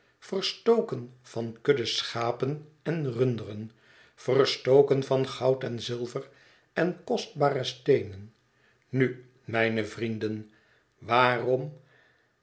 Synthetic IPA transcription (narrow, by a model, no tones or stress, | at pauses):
fərstowkənv̥ɑnkɵdəsχaːpən | ɛnrʏndərən | v̥ərstowkənvɑnχɑwtɛnzɪlˠvər | ɛnkɔst̚baːɾəstejnən | ny | mɛjnəvrindən | ʋaːrɔm